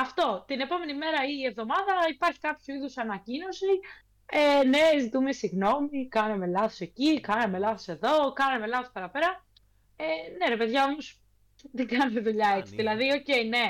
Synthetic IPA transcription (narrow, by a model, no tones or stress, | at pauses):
ɐft̪o̞t̪ine̞po̞me̞nime̞ɾɐiːe̞vðo̞mɐðɐipɐɾçi̥kɐpçuiðusɐnɐcino̞si | ene̞zit̪ume̞siɣno̞mikɐneme̞lɐθo̞se̞cikɐneme̞lɐθo̞se̞ðo̞kɐneme̞lɐθo̞spɐɾɐpeɾɐ | ene̞ɾepe̞ðʝɐomos | ðiɡɐnemeðuʎɐet͡si̥ðilɐðio̞ce̞ine̞